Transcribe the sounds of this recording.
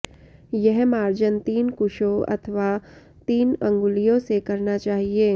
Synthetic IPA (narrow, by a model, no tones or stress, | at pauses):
jɛɦmaːɾd͡ʒənt̪iːnkʊʃoɐ̰t̪ʰʋa | t̪iːnɐ̃ŋɡʊlijõsekɐɾnat͡ʃaːɦieː